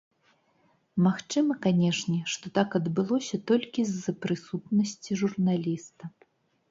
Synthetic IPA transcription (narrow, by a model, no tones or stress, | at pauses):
maxt͡ʂɨmɐkanʲɛʂnʲɛʂt̪ɔt̪akɐd̪bɨlˠɔsʲɐt̪ɔlʲkʲizːɐpɾɨsut̪nɐsʲt͡sʲiʐurnalʲist̪ɐ